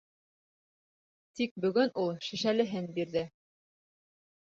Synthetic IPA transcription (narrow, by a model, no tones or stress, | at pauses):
t̪ik̚bɵ̆ɡɵnʔulˠʃɘ̆ʃælɘ̆ɦɘnbiɾðɘ